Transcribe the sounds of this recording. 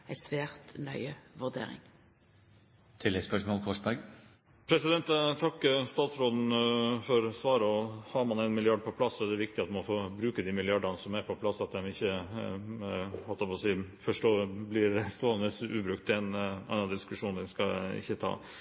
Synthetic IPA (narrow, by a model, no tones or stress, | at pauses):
ɛsʋeːʁt̪nœʏəʋʉd̪ḛːʁɪ̰ŋ | t̪ʰɪlːɛɡspœʂmɔlkʰɔʂɑɡ | pʰɾɛsɪd̪ɛnt̪t̪ʰɑkːst̪ɑːt̪sɾɔd̪n̩fɔɾsʋɑːɾəɔhɑːmɑnɛɪnmɪlɪɑɖ̚pʰɔpʰlɑsːɔɛɖ̪ɛʋɪkt̪ɪɑt̪mmɔfoːbɾʉːkəd̪imɪlɪɑɖənəsɔmæɾpʰɔpʰlɑsːɑt̪̚d̪ɛmɪçːə | ʋɑt̪ɑpɔsiːfɔʂʈoːblɪɾst̪oːɑəsʔʉːbɾʉkt̪ɛnʔɛ̰ɪnɑd̪d̪ɪskʉʂuːnd̪ɛnskɑɪ̰çːət̪ʰɑ̰ː